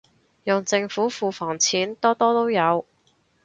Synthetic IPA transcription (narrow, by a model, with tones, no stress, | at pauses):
jɔ˨ŋt͡sɪ˧ŋfuː˨˥fuː˧fɔː˨˩ŋt͡sʰiː˨˥nt̪ɔː˥t̪ɔː˥t̪o˥wjɐ˨˧w